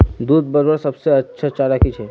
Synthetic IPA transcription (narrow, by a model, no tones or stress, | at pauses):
d̪uːd̪bəɾbəɾsəbseətːʃʰat͡ʃalakit͡ʃʰe